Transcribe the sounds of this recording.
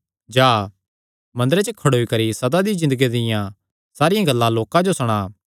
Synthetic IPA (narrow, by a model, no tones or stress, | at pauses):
d͡ʒaː | mɐ̃nd̪ɾet͡ʃəkʰɐɽoikɐɾisɐd̪ad̪izɪ̃nd̪əɡid̪ɪjã | saːɾɪjãɡɐlːãloːkãd͡ʒosɐɽ̃aː